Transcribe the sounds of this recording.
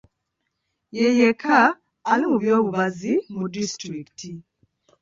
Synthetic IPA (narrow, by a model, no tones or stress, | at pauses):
jejekʰaː | limuβjoːβuβazimudistɾiktʰi